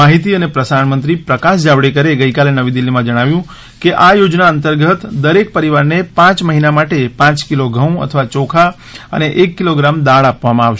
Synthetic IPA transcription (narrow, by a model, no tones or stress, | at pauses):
aɦit̪iənepɾəsaɳmə̃nt̪ɾipɾəkaʃd͡ʒaʋɽekəɾeɡəikalenəʋid̪ilːimãd͡ʒəɽ̃aʋjũ | keʔajod͡ʒnaənt̪əɾɡət̪d̪əɾek̚pəɾiʋaɾnepãt͡ʃməɦinamaʈepãt͡ʃkiloɡʱəũə̰t̪ʰəʋat͡ʃokʰa | ə̰neʔekːiloɡɾamd̪aɭapʋamãaʋʃ